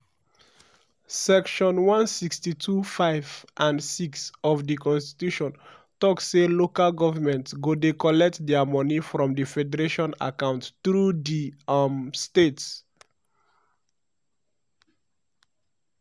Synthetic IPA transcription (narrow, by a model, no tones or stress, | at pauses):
sɛkʃɔ̃nwãnsikstitʰufaɪvʔãnsiksɔvdikɔ̃nsti̥tuʃɔ̃n | tɔkːelokalɡɔvəmɛ̃ntsɡodekɔlɛk̚tdɛmɔnifɹɔ̃mdəfɛdəɹeʃɔ̃na̰kãʊ̃ntθɹudimstets